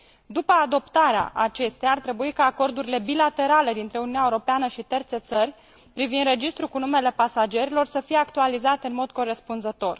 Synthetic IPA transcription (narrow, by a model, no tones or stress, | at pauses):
d̪upəad̪o̞pt̪aɾea̰ʔat͡ʃe̞st̪ejart̪ɾe̞buikaːko̞rd̪uɾile̞bilat̪e̞ɾale̞d̪int̪ɾe̞ununaeuɾo̞peanəʃit̪ert̪set̪sərʲ | pɾivind̪re̞d͡ʒist̪ɾukunume̞le̞pasad͡ʒe̞ɾilo̞rsəfije̞akt̪ualizat̪e̞ɨnmo̞d̪ko̞ɾe̞spunzət̪o̞r